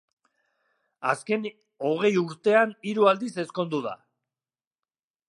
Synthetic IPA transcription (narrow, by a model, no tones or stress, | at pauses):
aske̞n | o̞ɣ̞e̞juɾt̪e̞aniɾuald̪ise̞sko̞nd̪uða̰